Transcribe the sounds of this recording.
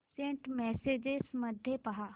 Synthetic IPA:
sẽːɳʈmɛːseːd͡ʒesmɐd̪ʱjepɐɦaː

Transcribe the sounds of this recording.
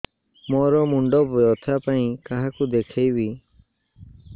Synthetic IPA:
mɔɾɔmuɳɖɔbɔjɔt̪ʰapaĩkaɦakud̪ekʰejbi

